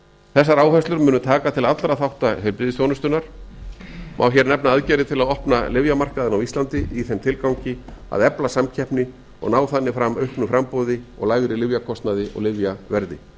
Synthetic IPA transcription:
θɛsːaɾaːwfɛst̪lʏɾmʏːnʏt̪ʰaːkat̪ʰɪlaðat̪ɾaðθawht̪ahʏlpɾɪðɪsjɔwnʏst̪ʏnːaɾ̥ | mʔa̰wçɛɾnɛp̚naaðcɛːɾɪt̪ʰɪlaðɔhpnalɪvjamar̥kaðɪnawist̪lant̪ɪiθɛmt̪ʰɪlkawɲcɪa̰ðɛplasamcʰɛhpnɪ | ɔ̰ɣnaːwθanːɪfɾamœɥhpnʏfɾampowðɪɔ̰ɣlaːjɣɾɪlɪvjakʰɔst̪naðɪʔɔ̰ɣlɪvjavɛɾðɪ̰

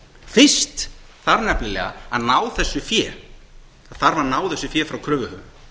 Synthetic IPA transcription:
fɪ̥st̪ | θaɾnɛplɪlɛ̰ɣa̰aðnaːwθɛsːʏfjɛːɾ | aðθaɾvaɾnaːwθɛsːʏfjɛːfɾawkʰɾœːvʏhœ

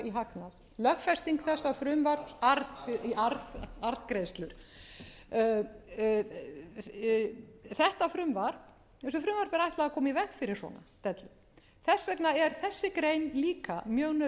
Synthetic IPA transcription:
iɦaknað | lœxfɛst̪iŋkθɛsːafɾʏmvaɾaɾðfɪiaɾðaɾð̥kɾejst̪lʏɾ̥ | θɛht̪afɾʏmvaɾ̥p | ɛns̬ɔfɾʏmvaɾ̥pɛɾajht̪laakʰɔːmivɛxfɪɾɪɾ̥sɔ̰na̰t̪ɛt̪lʏ | θɛsvɛknaɛɾ̥θɛsːɪkɾejnliːka̰mjœɣnœ

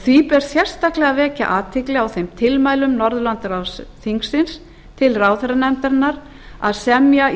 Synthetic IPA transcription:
θipɛɾ̥sjɛr̥st̪aklɛɣavɛːca̰ʔaːt̪ʰɪklɪawθejmt̪ʰɪlmaːjlʏmnɔɾðʏlant̪ɾawsθiŋksɪns | t̪ʰɪlraːwθɛɾanɛmt̪aɾnːaɾ | aðsɛmja

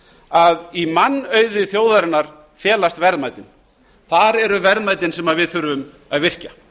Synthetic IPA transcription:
aðimanːœːɥðʏθjoːwðaɾɪnːaɾ̥ | fjɛːlast̪vɛɾðmaːjt̪ɪn | θaɾɛɾʏvɛɾðmaːjt̪ɪnsɛmaðvɪðθʏɾʏm | aðvɪr̥ca

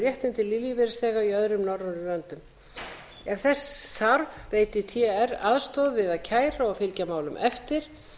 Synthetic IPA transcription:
jɛht̪ɪnt̪ɪlilivɛɾst̪ɛːɣaiœðɾʏmnɔɾɔʏlœnt̪ʏm | ɛnθɛsθaɾvveːjt̪ɪt̪ʰɛɛɾaðst̪ɔðvɪðaðcʰaːjɾaɔɣfɪlcamaːwlʏ̰mʔɛ̰ft̪ɪɾ̥

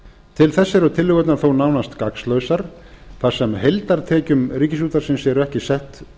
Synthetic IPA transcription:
t̪ʰɪlθɛsːɪɾɔt̪ʰɪlːɪɣœt̪naɾ̥θownawnast̪kakslœːɥsaɾ | θḁsɛmɦejlt̪aɾt̪ʰɛːcʏmriːcɪs̬uːt̪aɾsɪnsːjɛɾʏɛhcɪsɛht̪

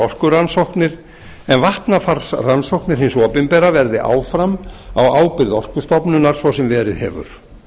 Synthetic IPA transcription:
ɔr̥kʏɾansowhknɪɾ̥ | ɛnvaht̪nafaɾsransowhknɪɾ̥hinsɔːpɪnpɛɾavɛɾðɪʔa̰ːwfɾamawaːwpɪɾðɔr̥kʏst̪ɔpnʏnaɾ̥svawsɛmvɛːɾɪðɦɛ̰ːvʏ̰ɾ̥

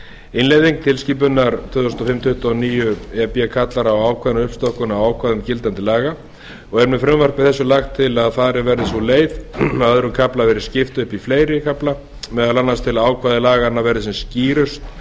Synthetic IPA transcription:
ɪnlejðiŋk̚t̪ʰɪlsciːp̬ʏnːaɾt̪ʰvʏːðʏsnt̪ɔfɪmt̪ʰʏht̪aniːjʏɛpiakʰat̪laɾawaːwkʰvaːðɪnʏhpst̪ɔhkʏnawaːwkʰvaːðɪncɪlt̪ant̪ɪlaːɣa | ɔɣɛɾmɛfɾʏmvar̥kvɪðθɛsːʏlaxt̪ʰːɪlaðfaːðɾɪnvɛɾðɪsɔleːjðmðœðɾʏmkʰaplavɛɾɪɾ̥scɪft̪ʏhpifleːjɾɪkʰapla | mɛðaðlanːast̪ʰɪlaaːwkʰvaːðɪlaːɣanavɛɾðɪsɛmsciːɾʏst̪

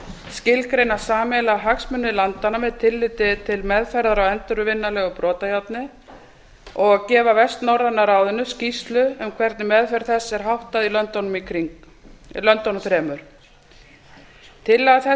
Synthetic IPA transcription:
scɪlkɾejnḁsaːmɛlaɦaksmʏnːɪlant̪anavɛðt̪ʰɪlːɪt̪ɪt̪ʰɪlmɛðfɛɾðaɾawɛnt̪ʏɾʏvɪnːalɛɣʏpɾɔːt̪ajawt̪nɪ | ɔɣacɛːvavɛst̪nawɾanːaɾaːwðʏnːʏscist̪lʏœmkʰvɛɾt̪nɪmɛðfɛɾ̥θɛsːɛɾ̥ɦawht̪aðilœnt̪ɔnmikʰɾi | lœnt̪ːɔnʏmfɾɛːmʏɾ̥ | t̪ʰɪlaθɛ

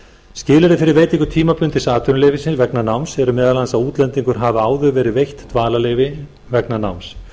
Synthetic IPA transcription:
scɪːlɛɾɪfɪɾɪɾvejt̪ĩŋkʏɾ̥t̪ʰiːmapʏnt̪ɪsaːt̪ʰʏnʏlejvɪsɪnvɛknanawmsɛɾʏmɛːðalansaðuːt̪lɛnt̪iŋkʏɾ̥ɦavaaːwðʏvɛːɾɪvejht̪t̪vaːlaleːjvɪ | vɛknana̰wms

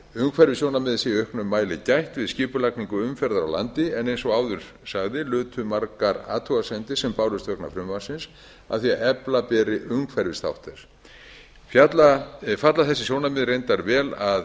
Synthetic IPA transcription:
ʏŋkʰfɛɾvɪsjoːwnamɪðsɪœhknʏmːaːjlɪcajht̪vɪðscɪːpʏlakniŋkʏʏmfɛɾðaɾa̰wla̰nt̪ɪɛnejnsɔɣaːwðʏɾ̥ | saɣðɪlʏːt̪ʰʏmaɾkaɾa̰ːt̪ʰuasɛnt̪ɪsɛmpaːwlʏst̪vœhkna̰fɾʏmvḁsɪns | a̰ðθiaʔɛplapɛːɾɪʔʏŋkfɛɾvɪst̪a̰wht̪ɛɾ̥ | fjat̪lafat̪laθɛsɪsjownamɪðrejnt̪aɾvɛːlað

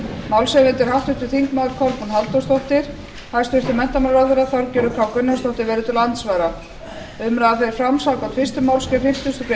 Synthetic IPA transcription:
mawlsɛvɪnt̪ɪɾ̥hawht̪ʏht̪ɪ̥θiŋkmaːðʏɾ̥kʰɔlpunɦalt̪ɔst̪ɔht̪ɪɾ̥ | hajst̪ʏr̥t̪ɪmɛn̥t̪amalɾaðvɛɾaθawɾcɛːɾʏkʰawkʏnːast̪owht̪ɪɾvɛːɾʏt̪ʰɪlant̪svaːjɾa | ʏmɾaðaθfɛɾɪɾfɾamsawkawt̪ʰvɪst̪ʏmaːwlskɛɾfɪm̥t̪ʏst̪ɔp

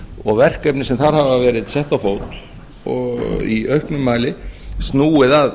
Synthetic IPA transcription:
ɔɣvɛr̥kɛpnɪsɛmθaɾ̥havavɛːɾɪðsɛht̪awfoːwt̪ | ɔ̰ḭœɥhpnʏmːaːlɪst̪nuːɪðað

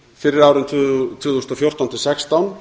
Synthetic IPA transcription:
fɪɾɪɾaːwɾʏntt̪ʰʏːθust̪ɔfjowr̥t̪awnt̪ʰɪlsɛkst̪awn

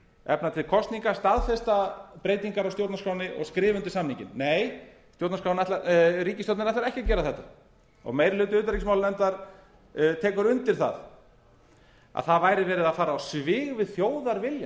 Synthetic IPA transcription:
ɛ̰pnat̪ʰɪlkʰɔst̪niŋkast̪aðfɛst̪apɾeːjt̪iŋkaɾawst̪jowt̪naskʰɾawnɪʔɔ̰ɣskɾɪːvʏnt̪ɪ̥samnĩŋcɪ̰nːeːj | st̪jowt̪naskʰɾawnɛt̪laɾiːcɪst̪owt̪nnɛht̪laɾɛhcɪcɛːɾaðθɛht̪ːa | ɔ̰ɣmejɾɪlʏːt̪ʏʏːt̪aɾicɪsmawlnɛmnt̪aɾ̥ | t̪ʰɛːkʏɾʏnt̪ɪɾ̥θa̰ð | a̰ðθaðvaːjɾɪvɛːɾɪðaðfaːɾaːwsvɪːɣvɪðθjoːwðaɾvɪlja

